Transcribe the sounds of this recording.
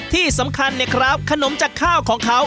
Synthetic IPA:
t̪ʰiː˥˩sa˩˦mkʰa˧nːɛ˧˩kʰɾa˦˥p̚kʰa˧no˩˦mt͡ɕaː˨˩kʰːaː˥˩wkʰɔː˩˦ŋkʰa˦˥w

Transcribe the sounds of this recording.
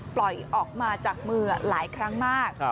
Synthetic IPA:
plɔ˨˩jʔɔː˨˩k̚maː˧t͡ɕaː˨˩k̚mɯː˧laː˩˦jkʰɾa˦˥ŋmaː˥˩k̚

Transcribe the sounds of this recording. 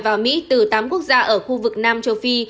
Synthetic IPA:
vaː˨˩wmḭ˧˥t̪ɨ˨˩t̪aː˨˦mku˦˥ək̚zaː˧ʔəː˧˩xu˧vɨ˨˩k̚naː˧mt͡ɕə˧wfi˧

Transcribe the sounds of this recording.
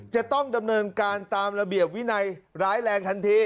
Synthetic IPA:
t͡ɕa˨˩t̪ɔ˥˩ŋda˧mnɤː˧nkaː˧nt̪aː˧mɾa˧bi˨˩əp̚wi˦˥na˧jɾaː˦˥jlɛː˧ŋt̪ʰa˧nt̪ʰiː˧

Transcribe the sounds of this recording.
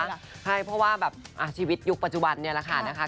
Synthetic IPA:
kʰa˧˩jpʰɔ˧waː˧bɛː˨˩p̚ʔa˧˩sʰiː˧˩wi˦˥t̪̚ju˦˥k̚pa˨t̪̚t͡ɕu˧˩ba˨˧nːi˦˥˩ɐla˧˥kʰa˧˩na˦˧˥kʰa˧˥

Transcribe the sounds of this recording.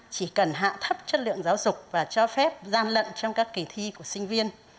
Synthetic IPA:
t͡ɕi˧˩kə˨˩nɦa̰ː˧˨t̪ʰə˦˥p̚t͡ɕə˦˥t̚lɨ̰˧˨əŋzaː˨˦wzʊ˨˩k͡p̚vaː˨˩t͡ɕɔ˧fɛ˦˥p̚zaː˧nlə̰˧˨nt͡ɕɔ˧wŋ͡mkaː˦˥kːi˨˩t̪ʰi˧ku˧˩əsï˧ŋ̟vi˧ən

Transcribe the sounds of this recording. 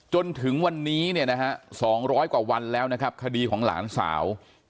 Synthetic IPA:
t͡ɕo˧nt̪ʰɯ˩˦ŋwa˧nːiː˦˥ni˥˩ɐna˦˥kʰa˦˥ʔsɔː˩˦ŋɾɔː˦˥jkwaː˨˩wa˧nlɛː˦˥wna˦˥kʰa˦˥p̚kʰa˧diː˧kʰɔː˩˦ŋla̰ː˩˦nsa̰ː˩˦w

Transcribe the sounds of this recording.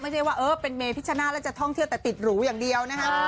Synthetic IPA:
ma˥˩jt͡ɕʰa˥˩waː˥˩ʔɤː˧pe˧nmeː˧pʰi˦˥t͡ɕʰa˧na˦˥lɛː˦˥t͡ɕa˨˩t̪ʰɔ˥˩ŋt̪ʰi˩əwt̪ɛː˨˩t̪i˨˩t̪̚ɾuː˩˦˥jaː˨˩ŋdi˧əwna˦˥kʰa˦˥

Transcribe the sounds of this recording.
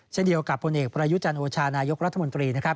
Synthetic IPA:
t͡ɕʰe˥˩ndi˧əwka˨˩pʰo˧nʔeː˨˩k̚pɾaː˧ju˦˥t͡ɕa˧nʔoː˧t͡ɕʰaː˧naː˧jo˦˥k̚ɾa˦˥t̪ʰːa˧mo˧nt̪ɾiː˧na˦˥kʰɾa˦˥p̚

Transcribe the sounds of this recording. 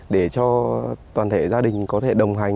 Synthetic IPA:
ɗe˧˩t͡ɕɔ˧t̪waː˨˩nt̪ʰe˧˩zaː˧ɗï˨˩ŋ̟kɔ˨˦t̪ʰe˧˩ɗə˨˩wŋ͡mɦa˨˩jŋ

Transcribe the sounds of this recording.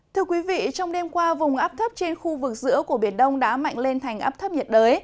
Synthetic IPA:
t̪ʰɨ˧əkwi˨˦vḭ˧˨t͡ɕɔ˧wŋ͡mɗe˧mkwaː˧vʊ˨˩ŋ͡mʔaː˦˥p̚t̪ʰə˦˥p̚t͡ɕe˧nxu˧vɨ˨˩k̚zɨ̰˧˥əku˧˩əɓi˧˩ənɗə˧wŋ͡mɗa̰ː˧˥ma̰˧˨jŋ̟le˧nt̪ʰa˨˩jŋ̟ʔa̰ː˦˥p̚t̪ʰə˦˥p̚ɲ˨˩t̚ɗəː˨˦j

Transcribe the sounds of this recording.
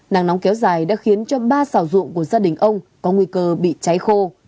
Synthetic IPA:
na̰ː˨˩ŋnɔ˨˦wŋ͡mkɛ˨˦wzaː˨˩jɗa̰ː˧˥xi˨˦ənt͡ɕɔ˧ɓaː˧saː˧˩zʊ̰˧˨əŋku˧˩əzaː˧ɗï˨˩ŋ̟ʔə˧wŋ͡mkɔ˨˦ŋwi˧kəː˧ɓḭ˧˨t͡ɕa˨˦jxo˧

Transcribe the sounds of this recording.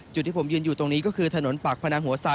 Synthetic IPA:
t͡ɕ̪̚ʰːiː˧˩pʰmjɯː˧ənjuː˨˩t̪o˧ŋniː˦˥kɔː˥˩kʰɯː˧t̪ʰa˧no˩˦npaː˨˩k̚pʰa˧naː˧ŋɦu˩˦ɐsaː˧

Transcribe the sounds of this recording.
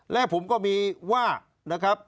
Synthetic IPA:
lɛ˦˥pʰo˩˦mkɔː˥˩miː˧waː˥˩ | na˦˥kʰɾa˦˥p̚

